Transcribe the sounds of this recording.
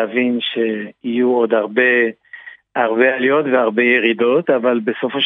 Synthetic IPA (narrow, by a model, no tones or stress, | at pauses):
avinʃeijuod̪aʁbe̞ | aʁbealijo̞t̪veaʁbe̞jeʁido̞t̪avalbesofoʃ